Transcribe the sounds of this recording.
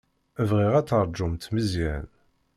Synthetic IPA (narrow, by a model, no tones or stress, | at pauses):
əvʁiʁæt͡sːəɾˤd͡ʒːʊmt̪məzḭn